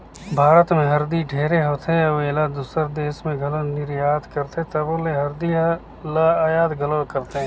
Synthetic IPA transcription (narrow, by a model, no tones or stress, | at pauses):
bʱaːɾət̪mẽɦɐɾd̪iɖʱeːɾeɦoːt̪ɛ̃ɐbelad̪uːsəɾd̪eːʃmẽɡʱɐlonɪɾjaːd̪kəɾt̪ːt̪ɐboleɦɐɾd̪i | laːjaːd̪ɡʱəlokəɾt̪eɦɛ̃ː